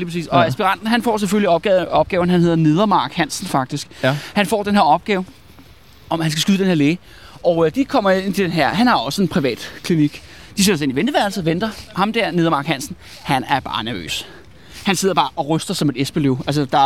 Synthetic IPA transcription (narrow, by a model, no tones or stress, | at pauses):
lipʰʁɑsḭːsɒ̽æsb̥iʁɑ̈n̰d̥n̩ɦænfɒ̰ːs̬eføliɒb̚ɡ̥ɛɒ̽b̥̚ɡ̥ɛːʊn̩hænhe̝ð̰ˠɐne̝ð̞ˠɐmɑ̈ːɡ̥hænsn̩fɑ̈ɡ̥̚d̥isɡ̥hænfɒ̰ːd̥enɦeɐɒ̽b̥̚ɡ̥ɛːʊ | ɒ̽mhænsɡ̥æsɡ̥yðˠd̥enheɐleː | ɒʊd̥ikʰɒ̽m̰ɐe̝n̰d̥enɦæɐ̰ɦænhɑ̈ɒ̽səe̝npʰʁiʋɛ̰ːd̥kʰliniɡ̥d̥ise̝̥ɒs̬e̝niʋend̥əʋæɐlsʋend̥ɐhɑ̈md̥æɐ̰ne̝ðˠɐmɑ̈ɡ̥hæn̰sn̩ | hænæɐb̥ɑ̰̈ːnæɐʋø̰ːs | hænse̝ð̞̰ˠɐb̥ɑ̈ːʔɒ̽ʁœsd̥ɐsɒ̽me̝d̥esb̥eleʊæls̬əd̥ɑ̈